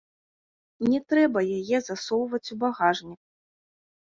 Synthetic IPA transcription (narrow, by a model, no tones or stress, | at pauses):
nʲɛt̪ɾɛbɐjajɛzasɔwvɐt͡sʲubaɣaʐnʲik